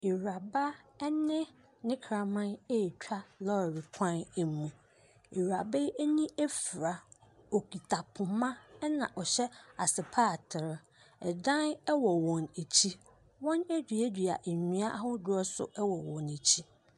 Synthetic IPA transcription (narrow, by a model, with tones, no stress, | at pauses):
i˨wa˨ba˦nɪ̃˦ | nɪ̃˦kʰɾã˨mã˦ne˦˨t͡ɕᶣa˦lɔ˦˨ɾi˨kʷʰã˦n˨˦mũ˨ | e˨ɾa˨be˦e˦nĩ˦e˦fɾa˨ | o˨kʰi˨tʰa˨pʰʊ̃˨mã˦nã˨ʔɔ˨ɕɛ˦a˨sɪ˨pʰaː˦˨tʰɪ˨ɾ | ɛ˨dã˦nɛ˦wɔ˨wɔ̃˨ne˨t͡ɕʰi˦ | wɔ̃˦næ˦dᶣi˨e˦dᶣi˨a̰˨ʔe˨ɲĩ˨a˦ʔa˦hʊ˦dʊ˨˦ɔ˦sʊ̰˨ʔɛ˦wɔ˨wɔ̃˨ne˨t͡ɕʰi˦